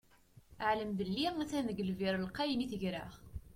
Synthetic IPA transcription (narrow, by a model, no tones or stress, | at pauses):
əʕləmd̪əlːiæθænəɡəlviɾˤəlqɑjəniθəʝɾaʁ